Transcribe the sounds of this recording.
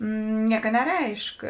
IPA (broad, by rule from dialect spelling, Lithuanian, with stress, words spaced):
ˈnʲiɛkɐ nʲɛˈrʲɛɪʃk